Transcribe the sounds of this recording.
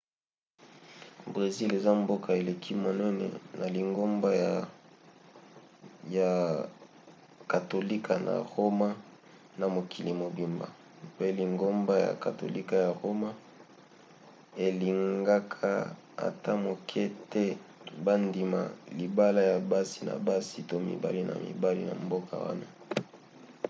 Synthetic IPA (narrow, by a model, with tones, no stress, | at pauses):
bʁe˨zi˦le˨za˦mbo˦kʰa˨e˨le˨kʰi˦mo˨nɛ˦nɛ̰˨na˨li˨ŋɡo˦mba˦ja˨ | ja˨ | ka˨to˨li˦kʰa˨na̰˨ʁo˦ma˦ | na˨mo˨kʰi˨li˨mo˨bi˨mba̰˨ | pe˦li˨ŋɡo˦mba˦ja̰˨ka˨to̰˨li˦ka˦˨ja˨ʁo˦ma˦ | e˨li˨ŋɡa˦kʰa˦ | a̰˨tʰa˦mo˨kʰɛ˦tɛ˦ba˦ndi˨ma̰˨li˨ba˦la˦ja˨ba˦si˦na̰˨ba˦si˨to˦mḭ˨ba̰˦li˦na̰˨mḭ˨ba˦lḭ˦na̰˨mbo˦kʰa̰˨wa̰˦na˦